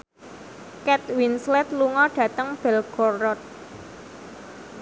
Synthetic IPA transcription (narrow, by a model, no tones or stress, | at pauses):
kɛt̪̚winslɛt̪̚luŋɔɖ̥ä̤t̪əŋb̥ɛ̤lɡ̥ɔrɔt̪̚